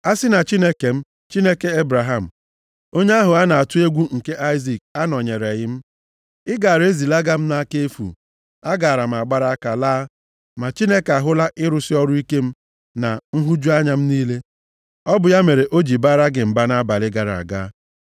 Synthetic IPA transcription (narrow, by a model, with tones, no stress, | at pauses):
a˦sɪ˦na˨t͡ʃi˦ne˦ke˨m̩˦ | t͡ʃi˦ne˦ke˦e˦bɾa˨ɦa˦˨m̩˨ | o˦ɲe˦a˦ɦʊ˨a˦na˨a˨tʊ˦e˦ɡʷu˦ŋ̩˨ke˦ʔa˦ɪ˦zi˨k̚a˦nɔ˨ɲe˨ɾe˨ɣɪ˦m̩˦ | ɪ˦ɡa˨ɾe˦zi˨la˦ɡa˦m̩˦na˦ke˦e˦fṵ˨ | a˦ɡa˨ɾa˨m̩˨a˨ɡ͡ba˦ɾa˦ka˨laː˦ | ma˨t͡ʃi˦ne˦ka˨ɦʊ˦la˦ʔɪ˦ɾʊ˨sɪ˦ɔ˦ɾʊ˦i˦ke˦m̩˦ | na˨ŋ̩˦ɦu˦d͡ʒu˦a˦ɲa˨m̩˦niː˦le˦ | ɔ˦bʊ˨ja˦me˨ɾe˨ʔo˦d͡ʒi˨ba˦ɾa˦ɡɪ˨m̩˨ba˦na˦ba˨lɪ˦ɡa˨ɾa̰˨ɡa̰ː˦